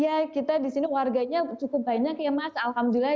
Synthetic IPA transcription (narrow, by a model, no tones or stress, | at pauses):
jakit̪adisiniwarɡaɲat͡ʃukʊp̚baɲakjamasaːlhamdula